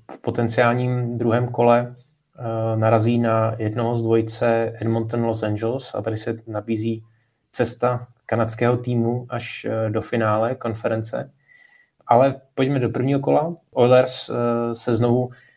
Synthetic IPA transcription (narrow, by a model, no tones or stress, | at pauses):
fpo̞t̪ɛnt͡sɪaːlɲiːmd̪ɾuɦɛːmko̞lɛ | naɾaziːnajɛdno̞ɦozdvo̞jt͡sɛɛdmont̪nlosand͡ʒɛlsa̰t̪adɪsɛnabiːziː | t͡sɛst̪a | kanat̪t͡skɛːɦot̪iːmuʔaʃdo̞fɪnaːlɛko̞nfɛɾɛnt͡sɛ̰ | ʔalɛpo̞ɟmɛdo̞pr̩vɲiːɦoko̞laʔojlɛɾssɛzno̞vu